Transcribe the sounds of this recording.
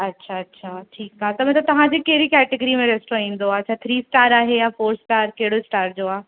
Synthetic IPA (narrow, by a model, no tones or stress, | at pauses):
ɐtːɕʰaɐtːɕʰaʈʰiːkaːɦet̪ɐb̤ʱɛ̃t̪ɐt̪ɐʋ̤ãd͡ʑekeɦɪɾikɛːʈɪɡəɾimẽɾeːsʈɾoĩːn̆d̪oaɐtːʃʰat̪ʰɾiːsʈaːɾaːɦejãfoːɾsʈaːɾkɐɦɪɽoɪsʈaːɾd͡ʑoːaː